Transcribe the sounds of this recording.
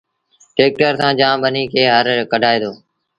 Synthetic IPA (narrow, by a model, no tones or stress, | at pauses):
ʈeːk̚ʈəɾsãːd͡ʒãːmbəniːkʰeːɦəɾkəɖʱaːeːd̪oː